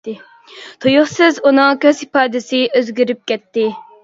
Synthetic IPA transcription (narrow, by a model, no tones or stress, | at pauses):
t̪ʰojʊχsɪzunɨŋkʲʰøzipɑːd̪ɪsɪʔøzɡʲyɾyp̚kʲɛt̪ːɪ